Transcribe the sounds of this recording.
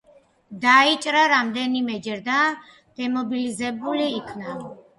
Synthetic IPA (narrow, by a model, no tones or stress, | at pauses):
d̪ait͡ʃʼɾaɾamd̪ɛnimɛd͡ʒɛɾd̪a | d̪̥ɛmɔbilizɛbuliːkʰna